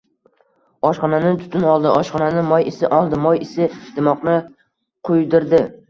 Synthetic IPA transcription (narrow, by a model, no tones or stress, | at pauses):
ɒʃχɒnanɪt̪ʰʊ̥t̪ʰʊnɒlˠd̪ɪʔɒʃχɒnanɪmɒjɪsɪʔɒlˠd̪ɪmɒjɪsɪd̪̥ɪmɒqnɪ | qʰʊjd̪ɪɾd̪ɪ